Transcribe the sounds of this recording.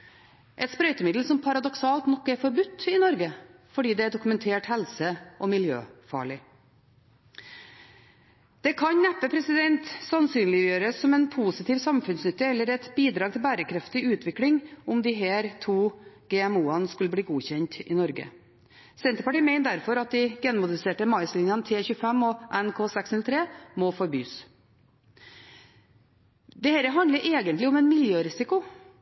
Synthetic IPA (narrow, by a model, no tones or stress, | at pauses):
ʔɛt̪spɾœʏt̪əmɪd̪l̩sɔmpʰɑɾɑd̪ɔksɑːlt̪nɔkːæɾfɔɾbʉt̪ːɪnɔɾɡəfɔɖiːd̪ɛæɖʊkʉmɛnt̪ʰeːʈhɛlsəʔɔmɪljø̰ːfɑ̰ːɭɪ | d̪̥ɛkʰɑɲnæpːəpʰɾɛsɪd̪ɛnt̪sɑnsyːnlɪjøːɾəsɔmɛnpʰuːsɪt̪ʰiːʋsɑmfʉnsnʏt̪ːəɛlːəɾɛt̪biːd̪ɾɑːɡt̪ʰɪlbæːɾəkʰɾɛft̪ɪʉːt̪ʰʋɪklɪŋʊmd̪ɪɦeːɾt̪ʰuːɡ̥eːɛmuːɑnskʉləbliːɡuːçɛnt̪ɪ̰nɔɾɡə̰ | sɛnt̪əɾpɑʈiːmɛɪnd̪æɾfɔɾɑt̪̚d̪ɪɡɛnmʊd̪əseːʈəmɑɪslɪnjɑnt̪ʰeːçʉːəfɛmːɔʔɛnkʰoːsɛksnʉlt̪ʰɾeːmɔfɔɾby̰ːs | d̪ɛheːɾəɦɑnd̪ləɾʔeːɡənt̪lɪɔmɛnmɪljøːɾɪsɪkʊ